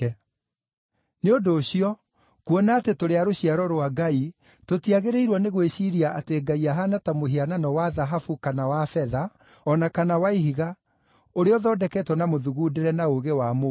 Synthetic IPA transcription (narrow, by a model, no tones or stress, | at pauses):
neondoːɕiɔ | kwɔnaːtetoɾeaɾoɕiaɾɔɾwaɡai | totiaɣeɾeiɾwɔneɣweɕiɾiaʔateːɡaiaɦanatamoɦiananɔwaðaɦafukanawafɛða | ɔnakanawaiɦiɣa | oɾeɔðɔːdɛkɛtwɔnamoðuɣuːdeɾɛnaoɣewamo